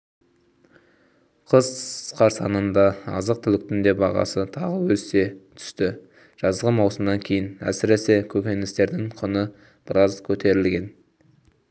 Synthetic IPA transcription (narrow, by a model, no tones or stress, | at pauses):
qʰəzqʰɑɾsɑnənd̪ɑɑ̰zəq̚t̪ʰʏlɪk̚t̪ɪnd̪e̞bɑʁɑ̰sət̪ʰɑʁəwɵzse̞t̪ʰʏ̥st̪ɪ | ʒ̥ɑzʁəmɑwsəmnɑŋkʲʰe̞jɪnæ̰sɪɾe̞se̞kʲʰɵkʲe̞nɪst̪e̞ɾd̪ɪŋqʰʊnə | b̥ɪɾɑzkʲʰɵt̪e̞ɾɪlɡʲe̞n